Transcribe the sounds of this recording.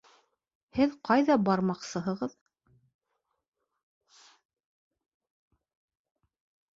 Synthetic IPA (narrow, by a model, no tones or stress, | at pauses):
hɘðqɑjðɑbɑɾmɑqsɤ̆ɦɤ̆ʁɤð